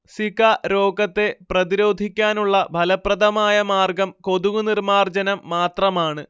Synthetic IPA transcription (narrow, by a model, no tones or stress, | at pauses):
sikɐɾo̞ːɡɐt̪ːe̞prɐðiɾo̞ːd̪ʱikʲːaːnuɭːɐbʱɐlɐprɐd̪ʱɐmaːjɐmaːrɡɐmko̞ðuɣunirmaːrd͡ʑɐnɐmːaːt̪rɐmaːɳɨ